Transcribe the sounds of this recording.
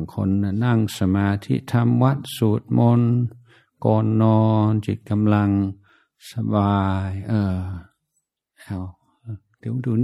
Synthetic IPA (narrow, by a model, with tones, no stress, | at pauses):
ŋkʰo̰˧nːa˧˩na˥˩ŋsa˧maː˧t̪ʰḭ˧˥t̪ʰa˧mwa˦˥˩t̪̚suː˨˦t̪̚mo˧n | kɔː˧nːɔː˧nt͡ɕi˨˧˩t̪̚ka˧mla˧ŋ | sa˧baː˧jʔɤː˧˩ | ʔa˧˩w | ʔːd̥i˨˩˦wduː˧n